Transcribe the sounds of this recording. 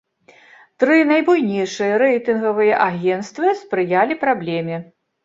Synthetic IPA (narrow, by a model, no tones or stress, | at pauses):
t̪ɾɨnajbujnʲejʂɨjɐɾɛjt̪ɨnɣɐvɨjɐʔaɣʲɛnt̪st̪vɨspɾɨjalʲipɾablʲɛmʲɛ